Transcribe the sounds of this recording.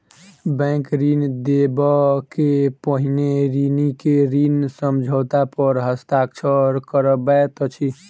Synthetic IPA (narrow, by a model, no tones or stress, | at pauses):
bɛ̃kɾind̪ebəkepəɦineɾinikeɾinsəmd͡ʒʱət̪apəɾɦəst̪akt͡ʃʰəɾkəɾəbɛt̪ət͡ʃʰi